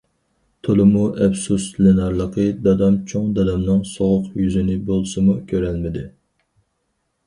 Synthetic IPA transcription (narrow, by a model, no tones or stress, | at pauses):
t̪ʰolˠɨmuʔɛpsuslenɑɾlˠəqəd̪ɑd̪ɑmt͡ʃʰoŋd̪ɑd̪ɑmnɨŋsoʁʊqjyzɪnɪbolˠsɨmukʲʰøɾælmɪd̪ɪ